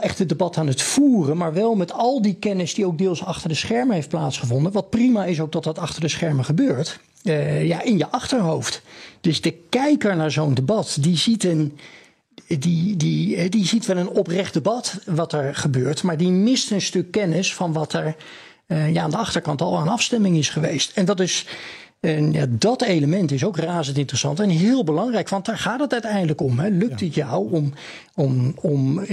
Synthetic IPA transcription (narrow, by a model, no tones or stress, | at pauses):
ɛχtədəbɑtaːnətfuːrənmaːɹʋɛlˠmɛtɑlˠdikɛnɪsdiowɡ̚deːlˠsɑχtəɹdəsχɛɹməɦejft̚plaːtsχəvɔndənʋɑt̚primaɪs̬owkɡ̚dɑtdɑtɑχtəɹdəsχɛɹməχəbøːɹt | jaːʔɪnjəʔɑχtəɹɦowftd̥ɵzd̥əkɛjkəɹnaːɹzowndəbɑtdizitən | didiɛdizitʋɛlˠənɔprɛχdəbɑtʋɑtɛɹχəbøːɹtmaːɹdimɪstənstɵkːɛnəsfɑnʋɑtɛɹ | jaaːndəɑχtəɹkɑntɑlˠaːnɑfstɛmɪŋɪsχəʋejstɛndɑtɪs | ja̰ːdɑtejləmɛntɪsowkraːzəntɪntrəsɑ̰ntɛnɦɪːlˠbəlɑŋrɛjkʋɑnt̚daːɹχaːtətœɥtɛjndələkɔmɦɛlɵktətjɑwɔm | ɔmɔm